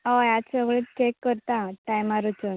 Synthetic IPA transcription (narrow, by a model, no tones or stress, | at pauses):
ajat̪səɡɭet̪t͡ɕekːəɾt̪ãʈajmaɾut͡ɕən